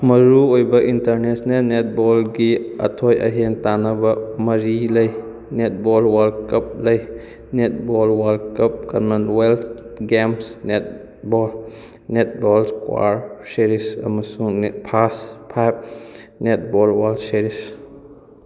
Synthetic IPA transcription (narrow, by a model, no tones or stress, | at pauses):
mɐɾuojbɐʔintɐɾnesnelnet̚bɔlɡiɐ̰tʰojʔɐɦentanabɐmɐɾiləj | net̚bɔlwalkɐp̚ləj | net̚bɔlwalkɐp̚kɐnmɐnwelt̪ʰɡemsnet̚ | bɔl | net̚bɔlskwa̰ɾseɾisɐ̰mɐsuŋnpʰaspʰajb̚net̚ʰbɔlwalʰseɾis